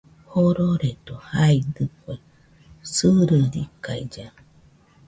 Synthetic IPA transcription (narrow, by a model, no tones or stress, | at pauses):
hoɾoɾed̪ohaid̪ɨkʷe | sɨɾɨɾikaid͡ʒa